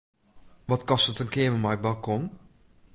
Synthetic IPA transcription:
ʋɔtkɔstətənkɪəməmajbalˠkɔn

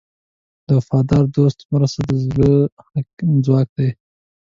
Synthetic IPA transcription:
d̪̥əfɑd̪ɑɾd̪ost̪mɾast̪ad̪əzlə | d͡zwɑk̚d̪aj

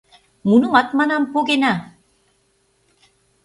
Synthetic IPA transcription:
munumat̪̚manampoɡena

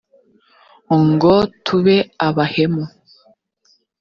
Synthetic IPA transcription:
oŋɡotʰuβeaβahemo

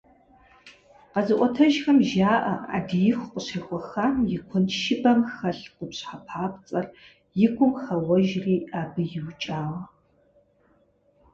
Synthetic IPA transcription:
qɐzɨʔʷʼɔtʰɐʒxɐmʒaːʔɐa̰ːdɨjɪxʷqʷʊɕeːxʷɔxaːmjɪkʷʰʊnʃɪbɐmxɐɬqʷʊpɕħapʰaːpt͡sʼɐr | jɪkʷʰʼʊmxɐwɔʒriːaːbɨjɪwt͡ʃʼaːʁɐ

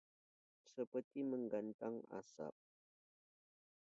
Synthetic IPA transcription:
səpərt̪iməŋɡant̪aŋa̰sa̰p̚

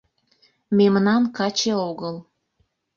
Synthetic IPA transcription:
memənɑnkɑt͡ɕeoɣəl

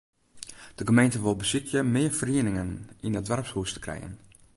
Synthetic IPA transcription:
d̥əkomejntəʋɪlˠbəsɪkjəmɪəɹfəriənɪŋəninədʋarpshuːstə̥krɛ̰jə̰n

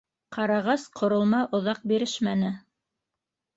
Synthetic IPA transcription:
qʰɑɾɑʁɑsqʰŏɾŏlˠmɑʔŏðɑq̚biɾɘʃmænɘ

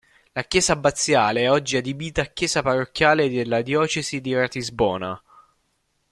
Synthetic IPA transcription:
lakjɛːzabat̪sːjaːleɛɔd͡ʒːiad̪ibiːt̪aːkːjɛːzaparːokːjaːled̪elːad̪jɔːt͡ʃezid̪iɾat̪izbɔːna

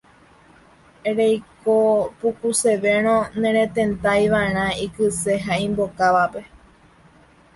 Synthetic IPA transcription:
ɾejkopukuse̞ʋe̞ɾ̃õnẽɾ̃ẽt̪ẽ̞nt̪ajʋaeɾ̃ãikɨseɦaĩmbokaʋape̞

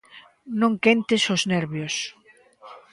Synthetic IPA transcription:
nõŋkent̪ɪsoznɛɾβjos

